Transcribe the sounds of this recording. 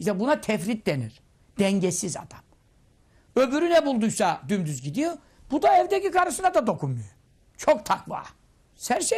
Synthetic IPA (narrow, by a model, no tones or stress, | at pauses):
iʃsɛbunat̪ʰɛfɾit̪̚d̪eniɾ̥ | d̪̥ɛɲɟɛsiza̰d̪̥am | ø̞byɾynɛbulˠd̪ujsad̪ymd̪yzɟid̪ijo | b̥ud̪aɛvd̪ecikaɾɯʃɯnad̪ad̪o̞kʰunmujo | t͡ʃʰok̚t̪ʰakva̰ː | sæɾʃɛ